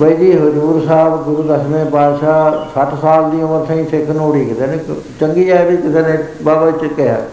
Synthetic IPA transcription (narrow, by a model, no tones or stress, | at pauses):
bəid͡ʒ̪iːɦʊd͡ʒuːɾsaːbɡʊɾuːd̪əsmẽːbaːd̪ʃaːsəʈʰsaːld̪iːõməɾt̪ʰãĩːsɪkʰnoːɽiːkɪt̪eːnẽːk | t͡ʃəŋɡiːaːebiːkɪt̪eːnẽː | baːbət͡ʃkeɦa̰ː